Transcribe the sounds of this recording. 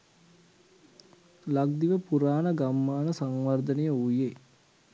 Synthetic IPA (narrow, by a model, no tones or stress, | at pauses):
laɡ̚d̪iʋəpuɾaːnəɡamːaːnəsaŋʋard̪ənejəuje